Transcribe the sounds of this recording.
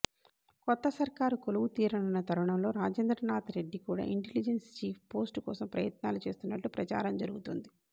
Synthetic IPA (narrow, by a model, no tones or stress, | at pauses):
kɔt̪ːɐsɐɾkaːɾukoluʋut̪iːɾɐɳunːɐt̪ʰɐɾuɳɐmlo̞ːɾaːd͡ʒeːnd̪ɾɐnaːt̪ɾe̞ɖːikuːɽa̰ːʔiɳʈelid͡ʒenst͡ʃiːpʰpo̞ːsʈkɔ̰ːsɐmpɾɐ̰jɐt̪naːlut͡ʃe̞ːst̪unːɐʈːupɾɐt͡ʃa̰ːɾɐmd͡ʒɐɾuɡut̪und̪i